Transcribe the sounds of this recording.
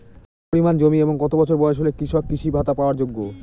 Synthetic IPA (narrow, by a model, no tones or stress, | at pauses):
poɾimand͡ʑomieboŋɡɔt̪obɔt͡ɕʰoɾbɔeʃɦolekɾiʃɔkːɾiʃibʱat̪apaoaɾd͡ʑoɡːo